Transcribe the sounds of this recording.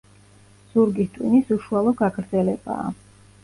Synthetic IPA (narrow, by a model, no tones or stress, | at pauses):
z̥uɾɡist̪ʼwinisuʃualˠɔɡaɡɾd̪zɛlɛb̥a̰ː